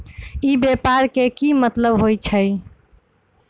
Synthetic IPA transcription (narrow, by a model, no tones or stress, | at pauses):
ibepaɾkekimət̪ləbɦojt͡ʃʰəj